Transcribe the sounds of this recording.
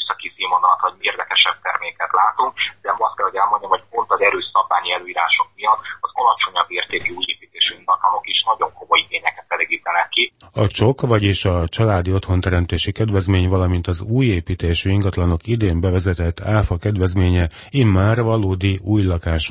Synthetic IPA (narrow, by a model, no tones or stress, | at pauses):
sɒkisimonɒt̪hoɟmieːrd̪ɛkɛʃɛb̚t̪ɛrmeːkɛt̪laːt̪oŋkd̪ɛɒst̪kɛlhoɛlmo̞ɲːɒmhoɟot̪ːɒzɛɾøːsɒbːaːɲiɛløːiːɾaːʃok̚mijɒnɒzɒlɒt͡ʃo̞ɲɒbːeːrt̪eːkiuːjeːpiːt̪eːʃyiŋɡɒt̪lɒno̞kiʃnɒɟo̞ŋkomojiɡeːɲɛkɛt̪ɛleːɡiːt̪ɛnɛkːiɒt͡ʃo̞kvɒɟeːʃɒt͡ʃɒlaːd̪io̞t̪ho̞nt̪ɛɾɛmt̪eːʃikɛd̪vɛzmeːɲvɒlɒmint̪ɒzuːjeːpiːt̪eːʃyiŋɡɒt̪lɒno̞kid̪eːmbɛvɛzɛt̪ɛt̪ːaːfɒkɛd̪vɛzmeːɲɛ | imːaːrvɒloːd̪iuːjlɒkaːʃ